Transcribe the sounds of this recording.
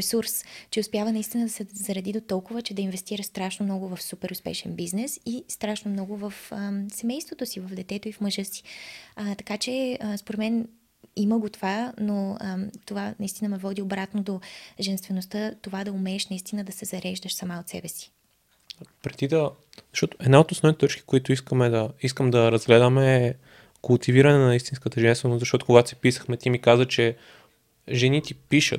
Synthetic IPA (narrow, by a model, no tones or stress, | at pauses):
ɛsuɾst͡ʃɛʊspjavənɐist̪inəd̪ɐsɛzɐɾɐd̪id̪ot̪ɔlˠkʊvət͡ʃɛd̪ɐinvɛst̪iɾəʃst̪ɾaʃnomnɔɡʊvɐfsupɛɾʊspɛ̰ʃɛ̰nbiznɛsist̪ɾaʃnomnɔɡʊvəfəsɛmɛjst̪vot̪osivɐvd̪ɛt̪ɛt̪oifməʒɤsi̥t̪ɐkat͡ʃɛspoɾɛt̪mɛn | iməɡot̪ovanot̪ovanɐist̪inəmɛvɔd̪iobɾat̪nod̪oʒɛnst̪vɛnost̪ət̪ovad̪ɐʊmɛːʃnɐist̪inəd̪ɐsɛzɐɾɛʒd̪əʃsɐmaot̪sɛbɛsi̥ | pɾɛd̪id̪ɐ | z̥ɐʃtɔt̪ʊ̥ɛd̪naot̪osnɔvnit̪ɛt̪ɔt͡ʃki̥koit̪ʊiskəmɛd̪ɐis̬kəmd̪ɐɾɐzɡlɛd̪əmɛː | kʊlˠt̪iviɾənɛnɐist̪inskət̪əʒɛnst̪vɛnost̪zɐʃt̪ɔt̪ʊ̥koɡat̪ʊ̥si̥pisə̥xmɛt̪ʲimikazvət͡ʃɛ | ʒɛnit̪ʲipiʃə̰t̪